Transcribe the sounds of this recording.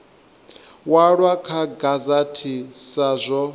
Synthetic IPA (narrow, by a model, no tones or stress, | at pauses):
waɺwakʰaɡazatʰisazʷɔ